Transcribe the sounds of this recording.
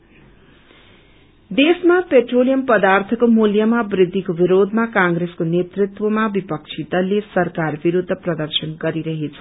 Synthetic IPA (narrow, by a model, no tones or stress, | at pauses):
d̪esmapeʈrolijʌmpʌd̪art̪ʰʌkomuljamabrid̪ʱːikobiɾod̪ʱmakãŋɡɾeskonet̪rit̪womabipʌk̚t͡sʰit̪ʌlesʌrkarbiɾud̪ʱːʌprʌd̪ʌrsʌnɡʌɾiɾʌɦet͡sʰʌ̥